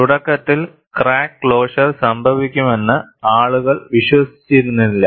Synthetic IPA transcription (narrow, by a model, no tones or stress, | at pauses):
t̪uɽɐkːɐt̪ːil | kraːkːɭo̞ːɕɐrsɐmbʱɐʋikʲːume̞nːɨaːɭuɣɐɭʋiɕʋɐsi̥t͡ɕːiɾunːiilːɐ